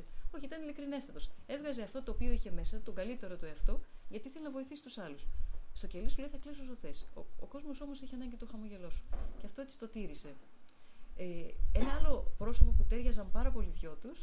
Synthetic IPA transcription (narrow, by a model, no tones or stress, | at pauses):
o̞çiit̪ɐnilikɾine̞st̪ɐt̪o̞se̞vɣɐzeɐft̪o̞t̪o̞ːpio̞içe̞me̞sɐt̪o̞ɡɐlit̪e̞ɾo̞t̪ueɐft̪o̞ʝɐt̪iiθelenɐvo̞iθisi̥st̪usɐlusst̪ocelisuleiθɐklisusoθe̞so̰o̰ko̞zmo̞so̞mo̞se̞çiɐnɐɲɟit̪oxɐmoʝe̞lo̞su̥ceɐft̪oet̪ist̪o̞t̪iɾise̞ | e̞nɐɐlo̞pɾo̞sopo̞put̪e̞ɾʝɐzɐmpɐɾɐpo̞liðʝo̞t̪us